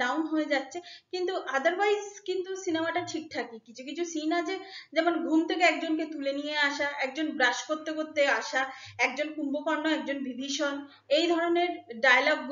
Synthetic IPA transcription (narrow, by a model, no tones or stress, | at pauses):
awnɦoed͡ʑatːɕʰekint̪uʔad̪aɾbajzkint̪usinemaʈaʈʰik̚ʈ̪ʰakikit͡ɕʰukit͡ɕʰusinad͡ʑed͡ʑɛmonɡʱumt̪ʰek̬eɛkd͡ʑonket̪ulenijeaʃaɛk̚d͡ʑonbɾaʃkoɾt̪ːekoɾt̪ːeaʃaɛk̚d͡ʑonkumbokɔɾnːoɛkd͡ʑonbibʱiʃon | ejd̪ʱɔɾoneɾɖajalɔɡ̚